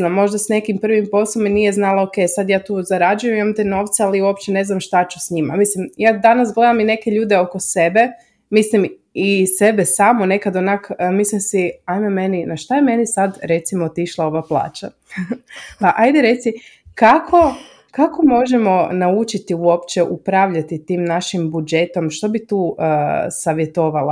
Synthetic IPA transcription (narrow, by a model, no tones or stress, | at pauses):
namːo̞ʒd̪asne̞kimpr̩ʋimpo̞slˠominije̞znalaoke̞jsad̪jaːt̪uːzaɾad͡ʒujemimamt̪eno̞ːʋt̪sealiuo̞pt͡ɕene̞znamʃt̪at͡ʃu̥sɲima̰mislimjaːd̪anasɡle̞d̪amine̞ke̞ʎuːd̪e̞o̞ko̞se̞be̞ | mislim | ise̞besaːmone̞kad̪onakmislimsiajmemeninaʃt̪ajeme̞nisad̪ɾe̞t̪simoot̪iʃlˠao̞ʋaplˠa̰ːt͡ʃa | paʔajd̪eɾe̞t̪sikakʰo̞ | kako̞mo̞ʒemo̞naut͡ʃit̪iuo̞pt͡ʃe̞ʔupɾaʋʎat̪it̪iːmnaʃimbud͡ʒe̞t̪o̞mʃt̪o̞bit̪uːəsaʋjet̪o̞ʋala